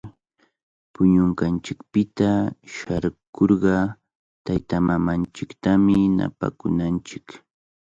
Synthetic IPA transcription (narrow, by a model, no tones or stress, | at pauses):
pʊɲʊŋkant͡ʃɪkpɪt̪aʃaɾkoɾɢɑ | t̪ajt̪amamant͡ʃɪkt̪amɪna̰pa̰kʊ̰nant͡ʃɪk